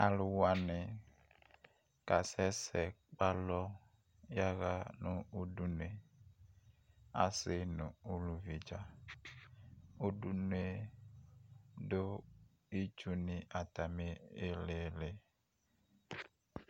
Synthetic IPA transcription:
a˨lu˨wa˨ne˨ | ka˨sɛ˦sɛ˨ | k͡pa˦lɔ˦ | ja˦ɣa˦nũ˦u˦du˦n˨e˨ | a̰˨se˦nũ˨u˦lu˨vi˨d͡ʒa˦ | u˦du˦nu˦e˦ | ɖo˦ | i˦t͡ʃu˦nĩ˨ʔa˨t̪a˨me˦e˦le˨le˨

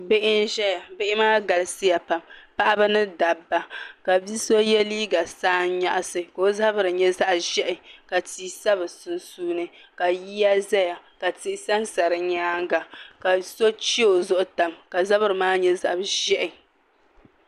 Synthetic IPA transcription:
be˦ʔɪ˦nʒɛ˦ja˨be˦ʔɪ˦maː˦ɡa˨lɨ˨sɪ˦ja˨pa˨mpa˦ʔa˦bɨ˦nɨ˦da˨bːa˨ka˨bi˦so˦jɛ˦liː˦ɡa˨saː˦nɲa˦ʔa˦sɨ˨ko˨o˦za˦bɨ˦ɾɨ˨ɲɛ˦za˦ʔʒɛ˦ʔɪ˨ka˨tiː˦sa˦bɨ˨sʊ˨nsuː˦nɨ˦ka˨jiː˦a˦zɛ˦ja˨ka˨tɪ˦ʔɪ˦sa˦nsa˨ɾɨ˨ɲaː˦ŋ˦ɡa˨ka˨so˦t͡ʃi˦o˨zʊ˦ʔʊ˦ta˨mka˨za˦βɨ˦ɾɨ˨maː˦ɲɛ˦za̰˨ʔbʒɛ˦ʔɪ˨

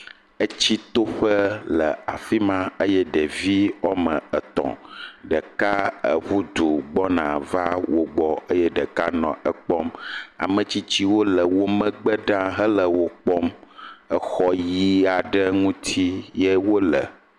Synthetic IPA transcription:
ə˦t͡ɕi˦t̪o˦ɸə˦lə˨a˨fi˦mã˦ə˦jɛ˦ɖə˨vi˦ɔ˦mə̃˨ə˨t̪ɔ̰̃˨ɖə˨ka˦ə̰˨βu˦d̪u˨ɡ͡bɔ˦nã̰˨va˦wo˨ɡ͡bɔ˨ə˦jɛ˦ɖə˨ka˦nɔ̰̃˨ə˨k͡pɔ˦ma̰˨mə̃˨t͡ɕi˦t͡ɕi˦wo˦lə˨wo˦mə̃˦ɡ͡bə˦ɖã˦ɦə˦lə˨wo˦k͡pɔ˦mə˦xɔ˦ji˦a˨ɖə˦ŋũ˦t̪ʰi˦je˦wo˦lə̰˨

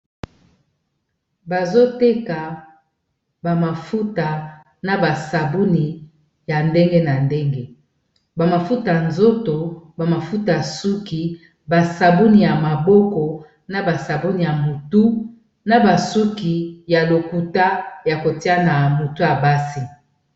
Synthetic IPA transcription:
ba˨zo˦te˦ka˨ | ba˨ma˨fu˦ta˨ | na˨ba˨sa˨bu˦ni˨ | ja˨nde˦ŋɡe˦na˨nde˦ŋɡe˦ | ba˨ma˨fu˦ta˨nzo˦to˨ba˨ma˨fu˦ta˨su˦ki˨ | ba˨sa˨bu˦ni˨ja˨ma˨bɔ˦kɔ˨ | na˦ba˨sa˨bu˦ni˨ja˨mo˨tu˦ | na˦ba˨su˦ki˨ja˨lo˨ku˨ta˦ja˨ko˨ti˦a˦na˨mo˨tu˦a˨ba˦si˨

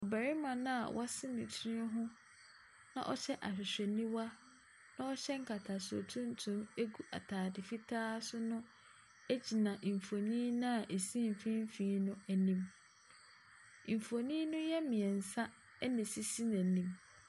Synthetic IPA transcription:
ɔ˨bæ˨ɾɪ˦mã˨nã˦a̰˨wʔa˦sɪ˦nɪ̃˨tʰɔ˦ɦʊ̃˦ | nã̰˦ʔɔ̰˦ɕɛ˦ʔa̰˨ɕᶣɪ˨ɕᶣɛ˨nĩ˦wa˦ | nã˦ɔ˦ɕɛ˦ŋ̩˦kʰa˨tʰa˨so̰˨tʰũ˦n˦tʰũ˦me˦ɡu˦ʔa̰˨tʰaː˨dɪ˨fi˦tʰaː˦sʊ˦nʊ̃˦ | e˦d͡ʑi˨nã˨ʔ̩˨fo˨nĩ˦nʊ̃˦a˨ʔe˨sĩ˦m̩˨fĩ˦m˦fĩː˦nʊ̃˦æ˨nĩ˦m˨ | fo˨nĩ˦nʊ̃˦jɛ˦mĩ˨ɛ˨n̩˨sa˦ | nɪ̃˨si˦si˦næ̃˨nĩ˦m

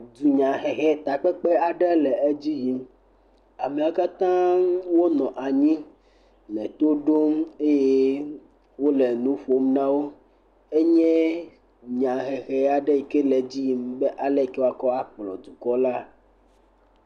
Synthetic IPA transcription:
d̪u˨ɲã˨ɦɛ˨xɛ˦t̪a˨k͡pɛ˦k͡pɛ˦a˨ɖɛ˦lɛ˨e˦d͡ʑi˦ji˨m | a˨me˨a˨ka˦t̪ã˦wo˦nɔ̃˨ʔa˨ɲĩ˦ | nɛ̰̃˨t̪o˦ɖo˦me˦je˦ | wo˦le˨nũ˦ɸo˦m˦nã˦wo˦ | e˦ɲɛ̃˦ | ɲã˨ɦɛ˨xɛ˦a˨ɖe˦ji˨ke˦le˨d͡ʑi˦ji˨mbe˦ʔa˨lɛ˦˨ke˦wa˨kɔ˦a˦k͡plɔ̰˨d̪u˨kɔ˦la˦

